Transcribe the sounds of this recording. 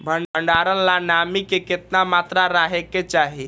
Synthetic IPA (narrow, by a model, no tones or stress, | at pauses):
bʱəɳəɳɖaːɾənlanamikekɪt̪namaːt̪ɾaɾaɦeket͡ʃaːɦi